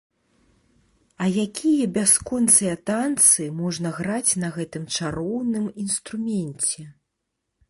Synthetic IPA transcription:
ɐjakʲijɐbʲaskɔnt̪sɨjɐt̪ant̪sɨmɔʐnɐɣɾat͡sʲnɐɣɛt̪ɨmt͡ʂaɾɔwnɨminst̪ɾumʲɛnʲt͡sʲɛ

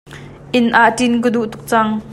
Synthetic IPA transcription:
ʔɪnʔaʔtink̬əd̪uʔt̪u̥k̚t͡sɐŋ

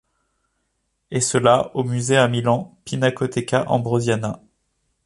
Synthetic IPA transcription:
esəlaomyzeamilɑ̃pinakɔt̪ekʲaʔɑ̰̃bʁozjana

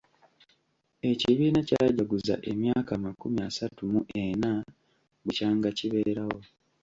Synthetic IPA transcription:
e̞ciβiːnacaɟaɡuza̰ʔe̞mjaːkamakumiasatumuʔena | bucaːŋɡaciβe̞ːɾawo̞

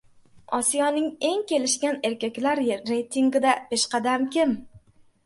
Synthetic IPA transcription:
ɒsijɒnɪŋe̞ŋkʲe̞lɪʃkʲane̞ɾkʲakʲlaɾːe̞jt̪ʰiŋɡʲɪd̪apeʃqɑd̪amkʲɪm

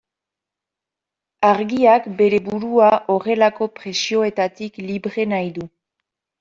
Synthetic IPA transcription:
aɾɣiakbe̞ɾe̞βuɾuaʔo̞re̞lako̞pɾe̞sio̞e̞t̪at̪ikliβɾe̞najðu

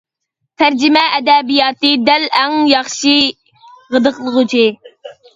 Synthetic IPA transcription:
t̪ʰæɾd͡ʒɪmɛʔːd̪ɛbijɑːt̪ɨd̪ɛlɛŋjɑχʃi | ʁəd̪əqlˠəʁʊt͡ʃʰi

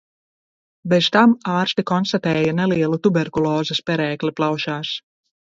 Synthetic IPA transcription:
bezt̪amaːɾst̪ikɔnst̪at̪ɛːjanɛliɛlˠut̪ubɛɾkulˠɔːzɨspʲɛɾɛːkliplˠawʃaːs

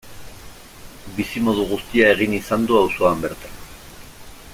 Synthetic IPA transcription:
bisimo̞ð̞uɣust̪iae̞ɣ̞inisand̪uawso̞ambe̞ɾt̪an

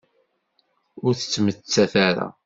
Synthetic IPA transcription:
ʊɾθə̥t͡sːmət͡sːæθaɾa̰

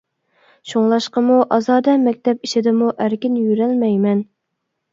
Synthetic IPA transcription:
ʃoŋlˠɑʃqəmuʔɑzɑːd̪ɛmɛkʲt̪ʰɛp̚iʃɪd̪ɪmuʔæɾkʲɪnjyɾælmɛjmɛn

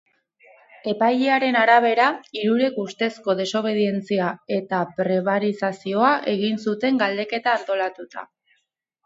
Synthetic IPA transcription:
e̞pajeaɾe̞naɾaβ̞e̞ɾaiɾuɾe̞kust̪e̞sko̞ðe̞so̞β̞e̞ðie̞nt͡siae̞t̪apɾe̞β̞aɾisasio̞aʔe̞ɣ̞insut̪e̞ŋɡald̪e̞ke̞t̪aːnt̪o̞lat̪ut̪a̰

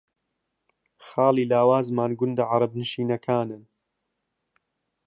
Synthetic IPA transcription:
xaːlˠiːlaːwaːzmaːnɡʊnd̪ɐʕɑɾˤɑb̚nɨʃiːnɐkʰaːnɨn

